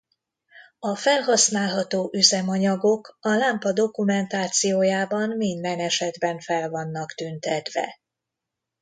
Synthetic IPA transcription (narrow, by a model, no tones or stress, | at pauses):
ɒfɛlɦɒsnaːlɦɒt̪oːʔyzɛmɒɲɒɡo̞kɒlaːmpɒd̪o̞kumɛnt̪aːt̪sijoːjaːbɒnmind̪ɛnɛʃɛd̪bɛɱfɛlvɒnːɒkt̪ynt̪ɛd̪ʋɛ̰